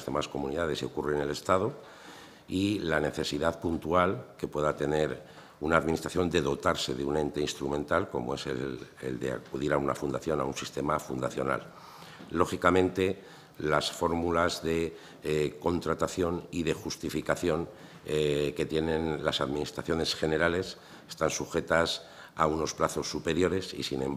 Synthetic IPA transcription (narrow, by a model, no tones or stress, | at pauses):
zðe̞masko̞muniðað̞e̞seokurene̞le̞st̪aðo | ilane̞θe̞siðaðpunt̪ualke̞pwe̞ðat̪e̞ne̞ɾ | unaːðminist̪ɾaθjo̞nd̪e̞ðo̞t̪aɾse̞ðeune̞nt̪e̞inst̪ɾumẽ̞nt̪alko̞̰moe̞sḛḛld̪ḛa̰kuðiɾauna̰fund̪aθjo̞na̰unsist̪e̞mafund̪aθjo̞̰na̰lː | o̞xikamẽ̞nt̪e̞ | lasfo̞ɾmulazðe̞ | ko̞nt̪ɾat̪aθjo̞niðe̞xust̪ifikaθjo̞ŋ | ke̞t̪je̞nẽ̞nlasaðminist̪ɾaθjo̞ne̞sxe̞ne̞ɾale̞s | e̥st̪ansuxe̞t̪as | auno̞splaθo̞sːupe̞ɾjo̞ɾe̞sḭsinẽ̞m